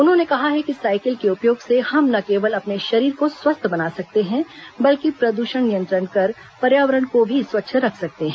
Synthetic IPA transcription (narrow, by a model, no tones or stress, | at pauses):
ʊnɦõnekɐɦaɦɛkisaːɪkɪlkeʊpjoːɡsehɐmnɐkeːʋəlɐpneʃɐɾiːɾkoswɐst̪ʰbɐnaːsɐk̚t̪eɦɛ̃bɐlkipɾɐd̪uːʃəɳnɪjə̃nt̪ɾənkɐɾ | pɐɾjaːʋəɾəɳkobʱiswɐt̪ːʃʰɾɐkʰsɐk̚t̪eɦɛ̃ː